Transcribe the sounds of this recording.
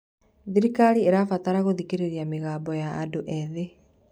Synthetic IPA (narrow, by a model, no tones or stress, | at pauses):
ðiɾikaɾieɾafataɾaɣoðikeɾeɾiameɣaːbɔjaːdoʔɛðe